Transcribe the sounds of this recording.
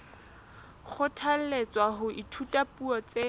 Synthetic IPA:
k͡xʰʊtʰal̩let͡sʼwaɦʊʔitʰutʼapʼuɔt͡se

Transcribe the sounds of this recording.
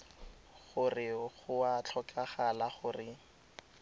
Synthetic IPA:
χʊrɪχʊat͡ɬʰɔkaχalaχʊrɪ

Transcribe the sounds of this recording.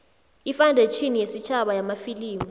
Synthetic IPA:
ifandʱet͡ʃʰinijesit͡ʃʰaɓajamafiliːmu

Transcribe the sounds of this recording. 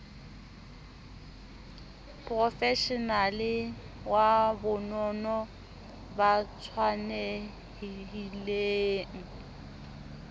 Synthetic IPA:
pʼrɔfɛʃɔnalɪ | wabʊnɔnɔ | bat͡sʰwane | hiɦileːŋ̩

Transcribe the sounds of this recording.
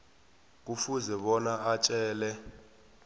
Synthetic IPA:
k̬ufuzɛɓɔnaat͡ʃʼɛːlɛ

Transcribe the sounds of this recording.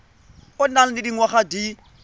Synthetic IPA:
ʊnal̩didiŋwaχadi

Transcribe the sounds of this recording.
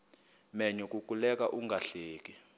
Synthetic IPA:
mɛɲɔkʼuk̬ʼulɛk̬ʼaʔuŋɡʱaɬeːk̬ʼi

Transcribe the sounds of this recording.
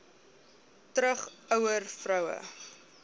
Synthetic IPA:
tɾəχɐwərfrɐwə̰

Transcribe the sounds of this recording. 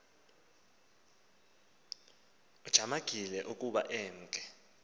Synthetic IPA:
ud̥ʒ̥ʱamaɡ̥ʱilɛʔuk̬ʼuɓa̰ʔɛːŋ̩kʼɛ

